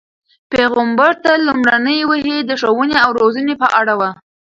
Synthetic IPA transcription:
peɣambaɾt̪alumɽanəjwəɦed̪əʂəwəneawɾozənepəʔaɽawa

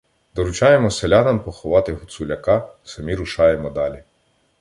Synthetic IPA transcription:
d̪ɔɾʊt͡ʃɑjemɔsʲelʲɑnɐmpɔxɔʋɑt̪ɪɦʊt̪sulʲɐkɑsɐmʲiɾʊʃɑjemɔd̪ɑlʲi

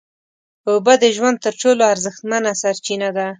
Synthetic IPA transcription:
obad̪əʒwand̪̚t̪əɾʈoloaɾzəxt̪manasaɾt͡ʃinad̪a

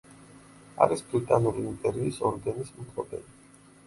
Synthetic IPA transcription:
a̰ɾisbɾit̪ʼanuɾiːnp̪ʼɛɾiːsɔɾɡanismut̪ʰɔpʼɛli

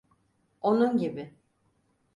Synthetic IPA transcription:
o̞nunɟibɪ

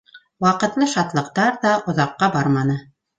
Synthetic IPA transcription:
wɑqɤ̆t̪lˠɤʃɑt̪lˠɤ̆q̚t̪ɑɾðɑʔŏðɑqːɑbɑɾmɑnɤ

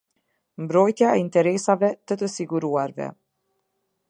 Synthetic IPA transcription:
mbɾɔjt̪jaɛint̪ɛɾɛsavɛt̪ət̪əsiɡuɾuaɾvɛ̰

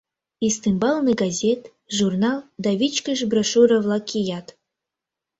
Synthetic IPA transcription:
ist̪ɨmbɑlˠnɨɡɑzʲet̪ | ʒurnɑlˠd̪ɑvʲit͡ɕkəʒbrɑʃuɾəvlˠɑkijɑt̪

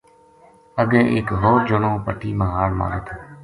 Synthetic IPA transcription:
əɡẽːʔɪkɦoːɾd͡ʒəɳõːpəʈʰiːməɦaːɾmã̰ːɾet̪ʰoː

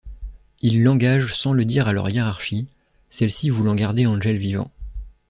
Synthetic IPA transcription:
ilːɑ̃ɡaʒsɑ̃ləd̪iʁalœ̰ʁjeʁaʁʃi | sɛlsivulɑ̃ɡaʁd̪eɑ̃ʒɛlvivɑ̰̃

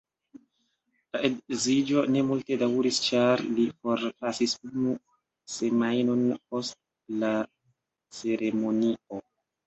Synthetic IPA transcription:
laedzid͡ʒo̞ne̞multe̞dawɾist͡ʃaɾlifo̞ɾpasisunu | se̞majno̞npo̞st̚ | la | t͡se̞ɾʔe̞mo̞nio̞

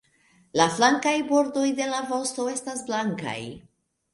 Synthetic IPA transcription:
laflaŋkajbo̞ɾdo̞jde̞lavo̞sto̞e̞stasblaŋka̰j

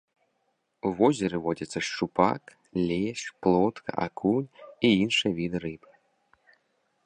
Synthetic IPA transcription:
uvɔzʲɛɾɨvɔd͡zʲɐt̪sːɐʂt͡ʂupa̰k | lʲeʂplˠɔt̪kʰɐ̰ʔa̰kʰulʲiinʂɨjɛvʲid̪ɨɾɨbɨ̥

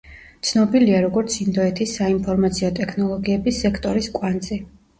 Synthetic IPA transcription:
t̪sʰnɔbiliaɾɔɡɔɾt̪sʰind̪ɔɛt̪ʰisːainpʰɔɾmat̪sʰiɔt̪ʼɛkʰnɔlˠɔɡiɛbisːɛkʰt̪ʼɔɾiskʼwant̪sʼi

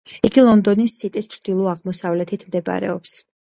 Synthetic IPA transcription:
iɡilˠɔnd̪ɔnisːit̪ʼist͡ʃʰɾd̪̥ilˠɔaʁmɔsavlɛt̪ʰit̪ʰmd̪ɛba̰ɾɛ̰ɔps

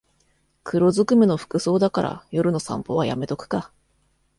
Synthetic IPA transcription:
kʰɯ̟ɾo̞zɨkɯ̟meno̞ɸɯ̟̥kɯ̟so̞ːd̪akaɾʔa̰jo̞ɾɯ̟no̞sã̰mpo̞β̞aja̰me̞t̪o̞kɯ̟̥ka

